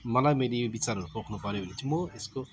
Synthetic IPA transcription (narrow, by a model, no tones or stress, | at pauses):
mʌlajmʌjlebit͡saɾɦʌɾupokʰnupʌɾjobʱʌnet͡sʰimoesko